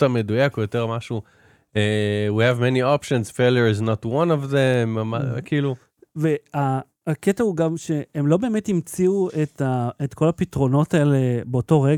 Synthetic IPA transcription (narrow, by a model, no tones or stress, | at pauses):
tamedujakojot̪eʁmaʃu | ewihɛvmɛniɔpʃonzfeljoɹiznotwãnovðẽmmakiːlu | veaː | ketauɡamʃe̞emlo̞be̞ːmethimt͡siuet̪aet̪ko̞lapitʁo̞no̞taelebeoto̞ʁe